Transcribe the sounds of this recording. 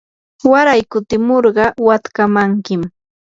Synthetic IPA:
waɾajkʊt̪ɪmoɾɢɑwat̪kamaŋkɪm

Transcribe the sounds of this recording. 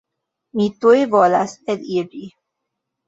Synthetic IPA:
mitujvolaselid͡ʒi

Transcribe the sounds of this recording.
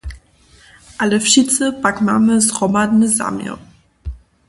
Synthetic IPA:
ʔaləfʃitt͡səpakmaməzʁɔmad̪nəza̰mjə̰

